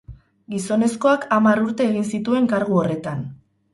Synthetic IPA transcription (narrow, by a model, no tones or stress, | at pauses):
ɡiso̞ne̞sko̞akamaɾuɾt̪e̞ːɣinsit̪ue̞ŋkaɾɣ̞uore̞t̪an